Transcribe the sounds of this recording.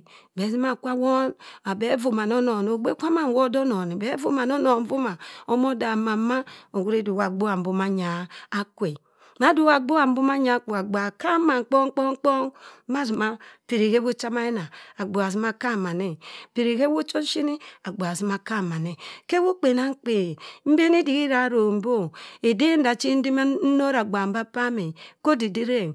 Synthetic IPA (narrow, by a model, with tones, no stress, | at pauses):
be˨˦zi˦ma˦˨kʷa˦wo˦na˨be˨˦vo˨ma˨no˦no˨n˨o˨ɡ͡be˦kʷa˦ma˨wo˦do˦no˨ni˨be˨˦vo˨ma˨no˦no˨n˦vu˦ma˨o˦mo˦da˨ma˨˦ma˦o˨ɡu˦ɾe˦du˨wa˨ɡ͡bo˦a˨m̩˨bo˨ma˦ɲaː˨˦kwe˨ | m˦a˦du˦˨wa˨ɡ͡bo˦a˨m̩˦bu˦ma˦ɲa˨˦ko˨a˨ɡ͡ba˨ka˦ma˨k͡po˦ŋ˦k͡po˦k͡po˦ma˦zi˨ma˦pi˨ɾi˨ke˦wo˦t͡ʃa˦ma˦e˦na˨a˨ɡ͡bo˨a˨zi˨˦ma˦ka˦˨ma˨ne˦˨pi˨ɾi˨ke˦wo˦t͡ʃo˦n˦ʃi˦ni˦a˨ɡ͡bo˨a˨zi˨˦ma˨ka˦˨ma˨ne˨ke˦wo˦k͡pe˨na˦k͡pe˨m̩˦be˦ni˦di˨ɣi˦ɾa˨˦ɾo˨m̩˨˦bo˦˨e˨de˦n˦da˨t͡ʃi˦n̩˦di˦ma˦no˦ɾa˨ɡ͡ba˨m˦ba˦pa˦me˨ko˦di˨di˦ɾe˦˨